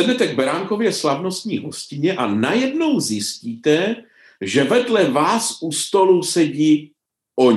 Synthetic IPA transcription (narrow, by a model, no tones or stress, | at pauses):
ɛdnɛt̪ɛɡ̚bɛɾaːŋko̞vjɛslavno̞st̪ɲiːɦo̞scɪɲɛʔanajɛdno̞wzjɪsciːt̪ɛ | ʒɛvɛdlɛvaːsʔust̪o̞lusɛɟiː | ʔoɲ